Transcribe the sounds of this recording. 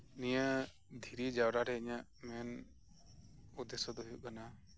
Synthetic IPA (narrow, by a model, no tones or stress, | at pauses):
nijə | d̪ʱiɾid͡ʒawɾaɾɛəɲaʔmɛn | ud̪ɛsɔd̪ɔɦiuʔ̚kana